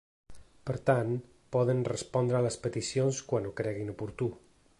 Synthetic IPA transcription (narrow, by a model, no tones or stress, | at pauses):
pəɾt̪an | pɔðənrəspɔnd̪ɾəaləspət̪isionskwanukɾɛɣinupuɾt̪u